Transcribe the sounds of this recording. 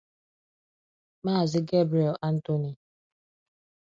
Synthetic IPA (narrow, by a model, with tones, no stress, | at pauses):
maː˦˨zɪ˦ɡe˦bɾi˨e˨la˦n̩˦to˦ni˨